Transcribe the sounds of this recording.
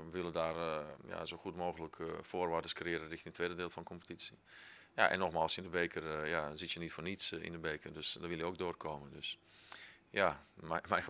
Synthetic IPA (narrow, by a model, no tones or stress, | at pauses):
əʋɪlˠədaːrja̰zoːxutmoːɣələkfoːrʋaːrdəskrɪəɾənrɪxtiŋtʰʋeːdədɪːlˠfɔnkʰɔmpə̥tisi | ja̰ʔɛ̰nːɔxmaːlˠsɪndəbeːkərjazitjənitfoːrnitsḭndəbeːkərdøsdɔʋɪlˠjəoːɡ̚doːrkʰoːməndøs | jamɛj